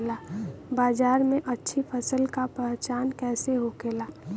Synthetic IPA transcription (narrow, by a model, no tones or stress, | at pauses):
laːbaːd͡ʒaːɾmẽʔətːʃʰipʰəsəlkapɛɦt͡ʃaːnkɛːseɦokeːlaː